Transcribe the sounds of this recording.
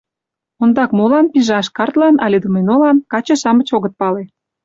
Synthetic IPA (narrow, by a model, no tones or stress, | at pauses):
ond̪ɑkmolɑnpiʒɑʃkɑrt̪lɑnɑlʲed̪umenolɑnkɑt͡ɕɤ̆ʃɑmə̆t͡ɕoɣə̆t̪̚pɑle